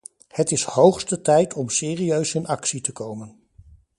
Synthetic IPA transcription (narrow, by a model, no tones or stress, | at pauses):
hətɪshowχstətɛjtʰɔmsɪːriøɥsɪnɑksitəkowmən